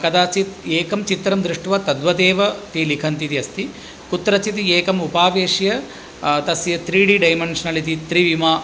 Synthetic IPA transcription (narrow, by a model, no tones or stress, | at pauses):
kɐd̪aːt͡ʃit̪eːkɐmt͡ʃit̪ɾɐmd̪ɾuʂʈʋɐt̪ɐd̪ʋɐt̪eːʋɐt̪iːlikʰɐnt̪it̪iɐst̪i | kut̪ːɾɐt͡ʃit̪ieːkɐmupaːʋeːʂjɐ | t̪ɐsjɐt̪ɾiːɖiɖɐjmɐɳʂɐnɐlit̪it̪ɾiʋimaː